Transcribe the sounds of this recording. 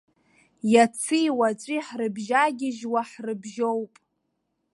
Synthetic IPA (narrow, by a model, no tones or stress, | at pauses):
jat͡sʰɨjwat͡ʃʷʼiħrɨbʒaɡʲɪʒwaħrɨbʒowpʼ